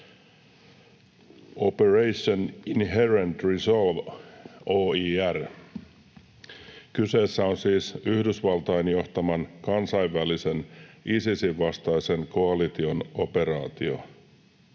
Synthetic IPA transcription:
operejsoninɦerent̪riso̞lʋ | oːiːær | kyse̞ːsːæo̞nsiːsyhdysʋɑlt̪ɑjnjo̞ht̪ɑmɑnkɑnsɑiʋːælise̞nisisiʋːɑst̪ɑjse̞ŋkoɑlit̪io̞no̞pe̞ɾɑːt̪io̞̰

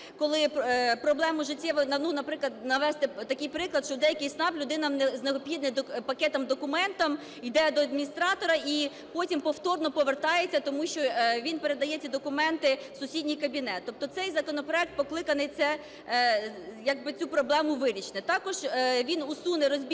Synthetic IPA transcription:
kɔlˠɪppɾɔblˠɛmʊʒɪtʲːɛʋɐnɐnunɐpɾɪklˠɐd̪nɐʋɛst̪ɛt̪ɐkɪjpɾɪklˠɐdt̪ʃt͡ʃɔd̪ɛjɐkɪjsnɑplʲʊd̪ɪnɐmnɛzneɔpʲid̪̚nɪd̪pɐkɛt̪ɐmd̪ɔkʊmɛnt̪ɐm | ijd̪ɛd̪ɔɐd̪mʲinʲist̪ɾɑt̪ɔɾɐi | pɔtʲimpɔwt̪ɔrnɔpɔʋert̪ɑjet͡sʲːɐt̪ɔmuʃt͡ʃɔʋʲinpe̞ɾe̞d̪ɐjɛt͡sʲid̪ɔkʊmɛnt̪ɪsʊsʲidʲnʲijkɐbʲinɛt̪t̪ːɔp̚t̪ɔt̪sɛjzɐkɔnɔpɾɔɛk̚t̪̚pɔklˠɪkɐnɪsɛ | jɐɡ̚bɪt͡sʲupɾɔblˠɛmʊʋɪɾʲit͡ʃnɪt̪ɑkɔʒʋʲinusunɪɾɔzʲbʲ

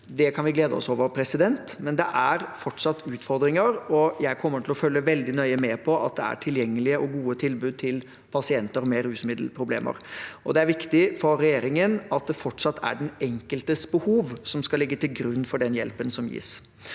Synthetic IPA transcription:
d̪ɛkʰɑnʋɪɡleːd̪əɔ̰soːʋəɾpʰɾɛsɪd̪ɛnt̪mɛnd̪ɛʔæɾfɔʈʂɑt̪ːʉːt̪fɔɾd̪ɾɪŋəɾɔjæɪkʰɔmːəʈʰɪlɔfœlːəʋɛld̪ɪnœʏəmɛpʰɔʔɑ̰t̪̚d̪ɛæ̰ʈʰɪljɛŋːəlɪəʔɔɡuːət̪ʰɪlbʉːd̪̚t̪ʰɪl | pʰɑsɪɛnt̪əɾmɛɾʉːsmɪd̪l̩pʰɾʊblḛːmʔə̰ɾʔɔd̪ɛæɾʋɪkt̪ɪfɔɾːɛjeːɾɪŋənɑt̪̚d̪ɛfɔʈʂɑt̪ʰːæ̰ɖɛnɛŋkəlt̪əsbəhuːʋsɔmskɑlɪɡːət̪ʰɪlɡɾʉnːfɔɖɛnjɛ̰lpənsɔmjḭːs

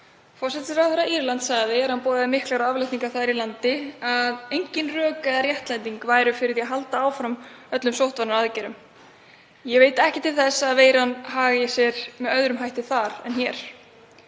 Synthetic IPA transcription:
fɔrsɛt̪ɪsɾawθɛɾːaiɾlant̪saɣðɪɛɾ̥hanpɔːðɪðɪmɪhklaɾawavlajt̪iŋkaθaðɾilant̪ɪaðejɲcɪnrœːkaaɾjɛht̪lajnt̪iŋkvaːjɾʏfɪɾɪɾðjɛaɦalt̪aaːwfɾamœt̪lʏmsowht̪vanːaɾaðcɛɾʏm | jɛveːjt̪ɛhcɪt̪ʰɪlθɛsːaðveːjɾanɦaːɣɪsjɛɾmɛðœðɾʏmɦajht̪ɪθaɾɛ̰nçɛɾ̥

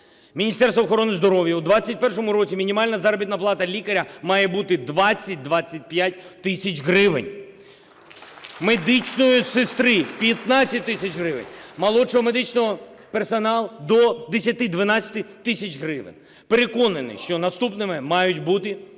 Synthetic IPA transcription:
mʲinʲist̪ɛrst̪ɔxɔɾɔnɪzd̪ɔɾɔʋjɐud̪ʋat͡sʲːɐt̚ʲpɛrʃɔmʊɾɔt͡sʲimʲinʲimɑlʲnɐzɑɾɔbʲit̪nɐplˠɑt̪ɐlʲikɐɾʲɐmɑjɛbut̪ɪd̪ʋɑt͡sʲːɐt̚ʲd̪ʋɑt͡sʲːɐt̚ʲpjatʲt̪ɪsʲɐt͡ʃɦɾɪʋɪ̰nʲ | med̪ɪt͡ʃnɔjʊsɪst̪ɾɪpʲjɐt̪nɑt͡sʲːɐt̚ʲt̪ːɪsʲɐt͡ʃɦɾɪʋɪ̰nʲmɐlˠɔt͡ʃɔɦɔmed̪ɪt͡ʃnɔɦɔpersɐnɑlˠd̪ɔd̪esʲjɐt̪ɪd̪ʋɐnɑt͡sʲɐ̥t̪ɪt̪ɪsʲɐt͡ʃɦɾɪʋɪ̰nʲ | peɾekɔnɐnɪ̰ʃt͡ʃɔnɐst̪upnɪmɪmɑjʊtʲbut̪ɪ

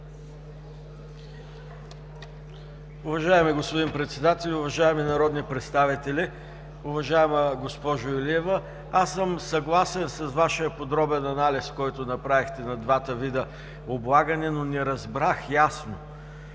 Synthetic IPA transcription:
ʊvɐʒaɛmiɡospod̪inpɾɛt̪sɛd̪at̪ɛlʲʊvɐʒaɛminɐɾɔd̪nipɾɛt̪st̪avit̪ɛlʲi | ʊvɐʒaɛməɡospɔʒʊɛliɛvə | asːəmsɐɡlˠasɛnsɐzvaʃijəpod̪ɾɔbɛnɐnaliskɔjt̪onɐpɾavixt̪ɛnɐd̪vat̪əvid̪ə | oblˠaɡɐnɛnonɛɾɐzbɾaxjasno

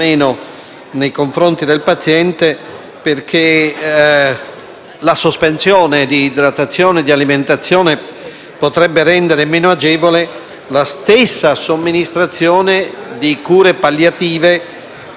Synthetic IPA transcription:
eːno | nejkoɱfɾont̪id̪elpat̪sjɛnt̪e | perk̟ʰe | lasospensjɔːned̪id̪ɾat̪ːat̪sːjɔːned̪ialiment̪at̪sːjɔːne | pot̪ɾɛbːeɾɛnd̪eɾemeːnoad͡ʒɛːvole | last̪esːasomːinist̪ɾat̪sːjɔːned̪ikuːɾepaljat̪iːve

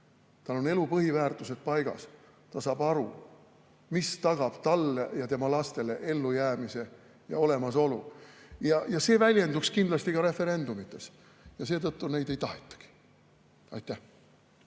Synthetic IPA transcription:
t̪ɑlːo̞ne̞lupɤɦivæːrt̪ˑuse̞t̪̚pɑjɡ̥ɑ̰s | t̪ɑsɑːb̥ɑɾṵ | mist̪ɑɡ̥ɑb̥t̪ɑlːejɑt̪e̞mɑlɑst̪e̞le̞ʔe̞lːujæːmise̞ | jɑ̰o̞le̞mɑso̞lujɑjɑse̞ːvælʲje̞nd̪ukskind̪lɑst̪ikɑɾe̞fe̞ɾe̞nd̪umit̪ːˑes | jɑse̞ːt̪ɤt̪ːune̞jd̪e̞jt̪ɑhet̪ːˑɑ̥ɡ̥i̥ | ɑ̰jt̪ːˑæh

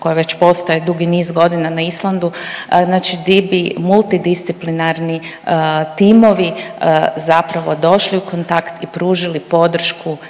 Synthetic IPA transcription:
ko̞jaʋe̞t͡ɕpo̞st̪ajed̪uɡiniːzɡo̞d̪inanaislˠand̪uznaːt͡ʃid̪ibimulˠt̪id̪ist̪siplinaɾni | t̪iːmo̞ʋi | zapɾaʋo̞d̪o̞ʃliukont̪akt̪ipɾuːʒilipo̞d̪r̩ʃku

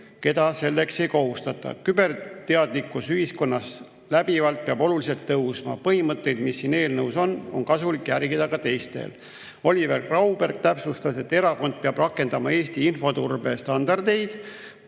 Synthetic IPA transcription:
ke̞d̪̥ɑse̞lːe̞kse̞jko̞ɦust̪ɑt̪ːˑɑ̰kybe̞rt̪eɑd̪̥likːˑusyhisko̞nːɑs | læb̥ivɑlt̪̚peɑbo̞lulise̞lt̪ːɤwsmɑ̰pɤɦimɤt̪ˑːe̞jd̪̥misːine̞ːlnɤwso̞no̞̰nkɑsulikːjærɡ̥id̪̥ɑkɑt̪e̞jst̪e̞̰l | o̞lʲiverkrɑwb̥erk̚t̪æpsust̪ɑse̞t̪ːe̞ɾɑko̞nd̪̥̚peɑb̥rɑkːˑe̞nd̪ɑmɑe̞ːst̪iinfo̞t̪urbe̞st̪ɑnd̪ɑrd̪e̞jd̪̥

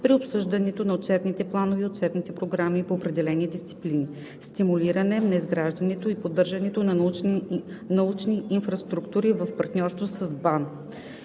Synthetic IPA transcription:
pɾiopsɤʒd̪ɐnɛt̪onɐot̪t͡ʃɛbnit̪ɛplˠanovɛot̪̚t͡ʃɛbnit̪ɛpɾoɡɾamipoːpɾɛd̪ɛlɛnid̪ist̪si̥plini | st̪imuliɾɐnɛnɐizɡɾaʒd̪ɐnɛt̪oipod̪ːɤɾʒɐnɛt̪onɐ | nɐut͡ʃniinfɾɐst̪ɾukt̪uɾivɐfpɐɾt̪nʲɔɾst̪vosɐzban

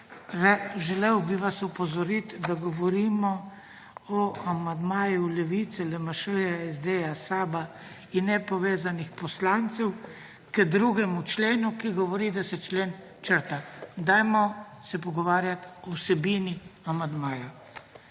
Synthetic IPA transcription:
ɾɛʒɛlewbiʋasɔpɔzɔɾit̪d̪aɡɔʋɔɾimɔ | ɔamand̪maːjulɛʋit̪sɛlɛmaʃəjaɛzd̪ejasaːba | inːɛpɔʋeːzanixpɔslant̪sɛw | kɛd̪ɾuɡɛmut͡ʃleːnukiɡɔʋɔɾid̪asɛt͡ʃleːn | t͡ʃəɾt̪ad̪ajmɔ | sɛpɔɡɔʋaːɾjat̪ɔwsɛbiːniamand̪maːja

